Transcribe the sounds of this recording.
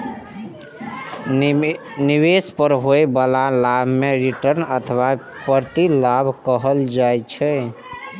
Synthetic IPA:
niwespəɾɦoebalalabʱmeɾiʈəɾnət̪ʰwa | pəɾt̪ilabʱkəɦəld͡ʒajt͡ʃʰɛ

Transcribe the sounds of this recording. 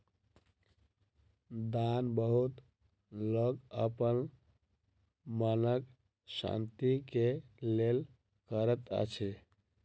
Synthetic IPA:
d̪anbəɦut̪ | loɡəpən | mənək | sã̰nt̪ikelel | kəɾət̪ə̰t͡ʃʰi

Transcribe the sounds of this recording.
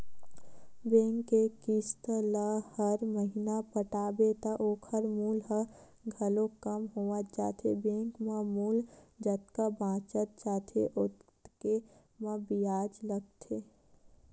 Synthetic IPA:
bẽːŋkːekist̪ləhəɾməɦinapəʈaːbet̪əʔoːkʰəɾmuːlɦə | ɡʱəlokəmɦoʋət̪̚t͡ʃa̰ːt̪ʰḛbẽːŋkmə̃muːld͡ʒət̪kabãːt͡ʃət̪̚t͡ʃaːt̪ʰḛʔʊt̪ | ke | mə̃biaːd͡ʒləɡ̚t̪ʰeː

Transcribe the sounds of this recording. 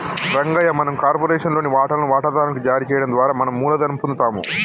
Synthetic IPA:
ɾɐŋɡɐjɐmɐnɐmkaːɾpoːɾeːʂɐnlo̞ːniʋaːʈɐlɐnuʋaːʈɐd̪aːɾɐnɐkud͡ʒaːɾit͡ʃɛːjɐɽɐnd̪ʋaːɾaːmɐnɐmːuːlɐd̪ɐnupund̪t̪aːmṵ

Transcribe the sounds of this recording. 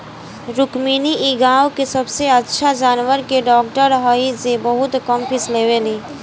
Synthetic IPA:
ɾʊkmiːniʔiɡaːwkesɐbseɐtːʃʰad͡ʒaːnwəɾkeɖɔːkʈəɾɦɔːisebɐɦʊt̪kəmpʰɪsleːʋeliː

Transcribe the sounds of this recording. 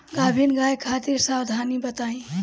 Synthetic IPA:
ɡabʱinɡajkʰat̪iɾsawd̪ʱanibət̪aĩ

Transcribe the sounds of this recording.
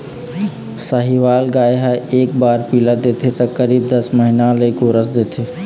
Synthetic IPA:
səɦiʋaːlɡaːjɦaeːk̚baːɾpiləd̪eːt̪ʰet̪ɐkəɾiːbd̪ɐsməɦinãləikoɾəsd̪eːt̪ʰeː

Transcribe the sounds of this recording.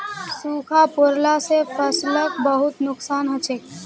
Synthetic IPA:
sukʰapoɾlasepʰəsləkbəɦut̪nʊksaːnɦət͡ʃʰek

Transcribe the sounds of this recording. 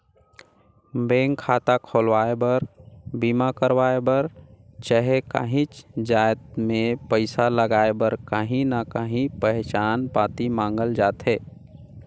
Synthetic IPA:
bẽːŋkkʰːaːt̪akʰoːlwaːebəɾbiːmakəɾwaːebəɾt͡ʃəɦeka̰ɦĩt͡ʃd͡ʒaːjt̪̚mẽpəɪsaləɡaːebəɾkaɦĩnakəɦĩpɛɦt͡ʃaːnpaːt̪imãːŋɡəld͡ʒaːt̪ɦɛː

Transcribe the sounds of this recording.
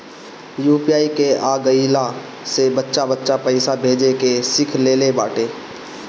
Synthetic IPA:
juːpiaːikeaːɡəila | sebətːʃabətːʃapəɪsabʱeːd͡ʒekesɪkʰleːlebaːʈeː

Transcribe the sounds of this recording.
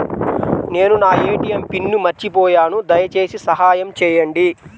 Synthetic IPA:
ne̞ːnunaːeːʈijɐmpinːumɐɾt͡ʃipɔːjaːnud̪ɐjɐt͡ʃe̞ːsisɐɦaːjɐmt͡ʃɛːjɐɳɖi

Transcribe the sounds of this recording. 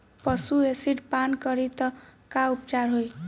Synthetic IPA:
pʌsuesiʈpankʌɾit̪ʌkaupt͡sarɦoj

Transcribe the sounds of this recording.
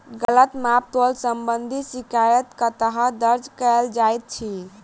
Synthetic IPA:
ɡələt̪map̚t̪olsəmbənd̪ʱisikajət̪kət̪əɦəd̪əɾd͡ʒkəld͡ʒajt̪̚t͡ʃʰi

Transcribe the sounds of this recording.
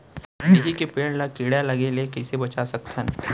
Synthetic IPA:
ɪɦikepeːɳlakɪɽjalɐɡelekɛsebɐt͡ʃasɐk̚t̪ʰən

